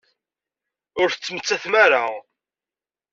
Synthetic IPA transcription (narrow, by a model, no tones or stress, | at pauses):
ʊɾθət͡sːəmət͡sːæθmæɾaʁ